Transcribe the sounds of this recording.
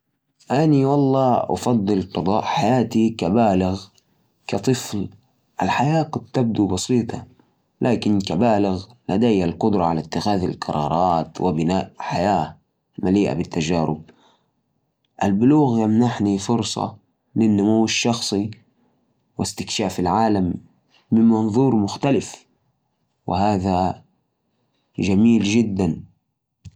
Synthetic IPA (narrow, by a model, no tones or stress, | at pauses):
ʔaniwɑlˤːɑːʔɑ̰fɑd̪ˤːɨlqɑd̪ˤɑːʔħajaːt̪ikabaːlɪɣ | kat̪ˤɨfl | ʔalħajaːkʊd̪̚t̪ab̚d̪ubɑsiːt̪ʰˤɑ̰ | lʔaːkɪnkabaːlɪɣlad̪ajːalqʊd̪ɾˤɑʕalat̪ːɪxaːða̰lqɑ̰ɾˤɑ̰ːɾˤɑːt̪wɪbɪnaːʔħajaː | maliːʔa̰bɪt̪ːad͡ʒaːɾʊ̰b̚ | ʔalbʊluːɣjamnaħnifʊɾsˤɑ̰ | lɪnːʊmuwːɪʃːɑxsˤi | wɪst̪ɪkʃaːfɪlʕaːlamː | ɪmmɑnðˤuːɾmʊxt̪alɪf | wɪ̰ɦaːða | d͡ʒamiːld͡ʒɪd̪ːan